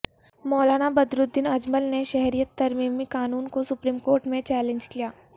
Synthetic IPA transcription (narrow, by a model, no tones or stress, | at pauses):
mɔːlaːñabɐd̪ɾʊd̪ːɪnɐd͡ʒməlneʃɛɦɾijət̪ːɐɾmiːmikaːnuːnkosʊpɾiːmkoːɾʈmẽt͡ʃɛːlẽɲd͡ʒkijaː